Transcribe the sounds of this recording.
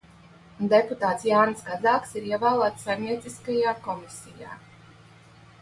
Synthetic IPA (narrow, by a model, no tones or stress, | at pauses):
d̪eput̪aːt̪sjaːnsɡad̪zaːksiɾiɛvaːlˠaːt̪sːajmniɛt̪siskajaːkɔmisʲija̰ː